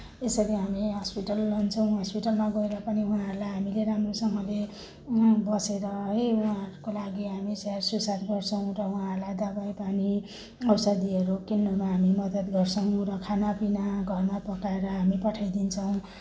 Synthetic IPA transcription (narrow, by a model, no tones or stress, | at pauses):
esʌɾiɦamiɦʌspiʈʌlːʌnt͡sʰʌw̃ɦʌspiʈʌlmaɡʌeɾʌpʌniuɦãɾlajɦamileɾamrosʌŋʌle | bʌseɾʌɦʌjuãɾukolaɡiɦamisarsusad̪ɡʌrt͡sʰʌw̃ɾʌuɦãɾlad̪abʌjpani | ʌwsʌd̪iʌɾukinːomaɦamimʌd̪ʌt̪ɡʌrt͡sʰʌw̃ɾʌkʰanapinaɡʱʌrmapʌkaeɾʌɦamipʌʈʰajd̪int͡sʰʌw̃